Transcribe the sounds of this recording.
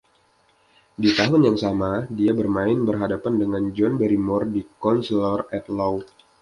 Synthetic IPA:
dit̪aɦʊnjaŋsamadiabərmaɪnbərɦadapandəŋand͡ʒɔnbəɾimɔrdikɔnslɔrɛt̪lɔw

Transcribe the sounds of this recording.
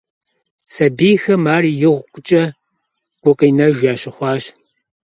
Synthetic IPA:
sɐbiːxɐmaːrijɪʁʷkʷʼʊt͡ʃʼɐ | ɡ̥ʷʊqʼiːnɐʒʷaːɕɪχʷɑːɕ

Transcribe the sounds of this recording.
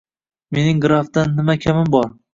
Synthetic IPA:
me̞nɪŋɡɾafd̪anːɪmakʲʰamɪmbɒɾ

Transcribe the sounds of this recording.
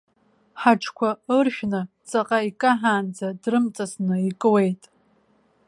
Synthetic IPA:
ħaʈ͡ʂʰkʷʰaɨrʃᶣnɨ | t͡sʼaqʼaikʼaħaːnd͡zadrɨmt͡sʼasnɨikʼɨwe̞jtʼ

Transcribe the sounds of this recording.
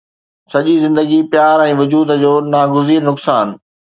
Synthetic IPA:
sɐʄizɪ̃nd̪əɡipjaːɾɛ̃ːʋʊd͡ʑuːd̪d͡ʑoːnaːɡʊziːɾnʊksaːn

